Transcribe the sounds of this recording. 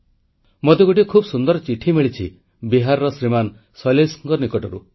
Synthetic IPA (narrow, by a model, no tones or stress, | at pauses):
mot̪eɡuʈ̬ikʰubsund̪ɔɾɔt͡ʃiʈʰimiɭit͡ʃʰḭ | biɦaɾɔɾɔsɾiman | sɔlesɔŋkɔɾnikɔʈɔɾṵ